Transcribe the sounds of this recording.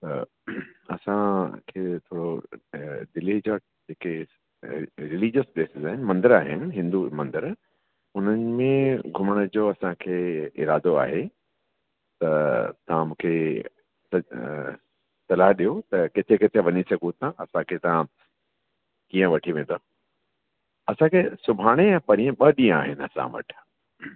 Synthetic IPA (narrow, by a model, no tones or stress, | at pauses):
t̪ɐ | ɐ̰sãkʰeːt̪ʰoːɽo | d̪ɪlid͡ʑaː | d͡ʑeːke | ɾɪliːd͡ʑəspeːsɪzaːɦɪnɪmɐ̃nd̪əɾaːɦɪnɪɦɪ̃nd̪umɐ̃nd̪əɾ | ʊn̤ənɪ̆mẽɡʱʊməɽ̃əd͡ʑoːɐsãkʰeːɪ̰ɾaːd̪oa̰ːɦe | t̪ɐt̪ɐʋ̤ãmũːkʰe | sɐ | sɐlaːɦɗijot̪ɐkɪt̪ʰekɪt̪ʰeʋɐɲisɐɡʱut̪ãɐsãkʰet̪ɐã | kĩːə̃ʋɐʈʰiʋẽnd̪o | ɐsãkʰeːsʊbʱaːɽ̃eɛ̃ːpɐɾijə̃ɓɐɗĩə̃a̰ːɦɪnɪɐ̰sã̰ʋɐ̰ʈʰ